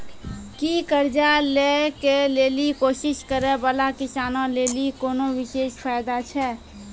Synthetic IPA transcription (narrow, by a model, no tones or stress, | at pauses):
kikəɾd͡ʒalekeleːlikoːʃɪʃkəɾẽbəlakɪsaːnõleːlikoːnowɪʃeːʃpʰaːjd̪at͡ʃʰɛː